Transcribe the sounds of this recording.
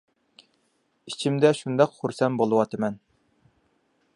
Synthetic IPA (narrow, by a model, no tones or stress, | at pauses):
it͡ʃʰimd̪ɛʃund̪ɑqχuɾsɛnbolˠɨwɑt̪ʰɨmɛn